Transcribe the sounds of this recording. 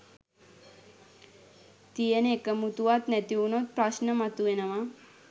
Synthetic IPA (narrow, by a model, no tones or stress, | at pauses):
t̪ijɐnekəmut̪uʋat̪nɛt̪iunot̪̚pɾaʃnɐmɐt̪uenɐma